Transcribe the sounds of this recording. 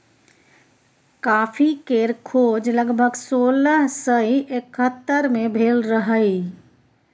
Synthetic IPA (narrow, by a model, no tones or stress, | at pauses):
kapʰikeɾkʰod͡ʒləɡbʱəɡsoləɦsəiʔekət̪ːəɾmebʱelɾəɦəi